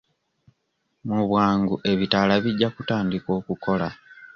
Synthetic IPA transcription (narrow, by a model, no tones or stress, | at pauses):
muβwaːŋɡuʔe̞βitalaβiɟːakutaːndiko̞ːkuko̞la